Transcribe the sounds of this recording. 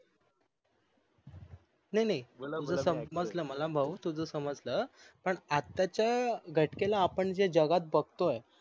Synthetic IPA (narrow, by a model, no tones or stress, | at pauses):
najnajt̪ud͡zʱəːsəməd͡zləməlabʱəʋut̪ud͡zʱəsəməd͡zləːpəɳat̪ːjat͡ɕjaɡʱəʈkelaːpəɳd͡ʑed͡ʑəɡat̪̚bəɡ̚ʱt̪oe